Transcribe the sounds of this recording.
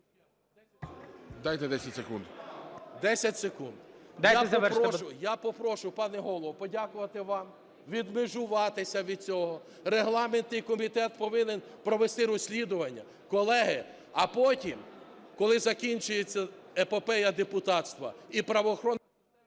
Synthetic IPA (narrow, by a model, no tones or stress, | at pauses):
d̪ɑjt̪ɛd̪ɛsʲɐtʲsekund̪d̪ɛsʲɐtʲsekund̪d̪japɐʋɛpɔʊjapɔpɾɔʃʊpɑnɛɦɔlˠɔʋɔpɔdʲakʊʋɐt̪ɪʋɑm | ʋʲid̪mɪʒʊʋɑt̪ɪsʲɐʋʲid̪̚t͡sʲɔɦɔ | reɦlˠɑment̪nɪjkɔmʲit̪ɛt̪̚pɔʋɪnen | pɾɔʋest̪ɪɾɔsʲlʲid̪ʊʋɐnʲːɐ̰ | kɔlˠɛɦɪ | ɐpɔtʲim | kɔlˠɪzɐkʲinʲt͡ʃʊjet͡sʲːɐepepɛjɐd̪epʊt̪ɑt̪st̪ʋɐ̰ipɾɐʋɔːxɾɔn